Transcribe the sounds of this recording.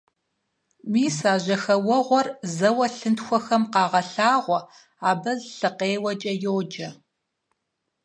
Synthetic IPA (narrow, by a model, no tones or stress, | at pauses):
miːsaːʑɐxɐwɔʁʷɔrzɐwɐɬɨntxʷɔxɐmqɑːʁɐɬaːʁʷɔ | aːbɐzɬɨqeːwɐt͡ʃʼɐjoːd͡ʒɐ